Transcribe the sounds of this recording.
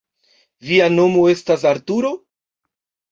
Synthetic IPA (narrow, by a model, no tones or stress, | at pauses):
viano̞mo̞e̞stas̬aɾtuɾo̞